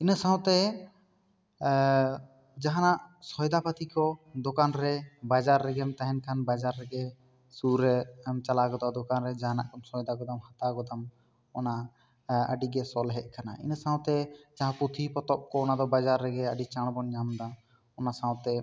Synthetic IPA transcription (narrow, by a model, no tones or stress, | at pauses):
inəsãw̃t̪ɛ | d͡ʒaɦanaʔsɔjd̪apat̪ʰikɔd̪ɔkanɾɛbad͡ʒaɾːɛɡɛmt̪aɦɛnkʰanbad͡ʒaɾːɛɡɛ | suɾɛmt͡ʃalaɡɔd̪ɔd̪ɔkanɾɛd͡ʒaɦana̰ʔkʰɔnsɔjd̪aɡɔd̪amhat̪aɡɔd̪am | ɔna | ə̰ɖiɡɛsɔlɦɛʔ̪̚ˀkanaḭnəsãw̃t̪ɛd͡ʒaɦãput̪ʰipɔt̪ɔp̚kɔːnad̪ɔbad͡ʒaɾːɛɡɛəɖit͡ʃaɽ̃bɔnɲamd̪a | ɔnasãwt̪ɛ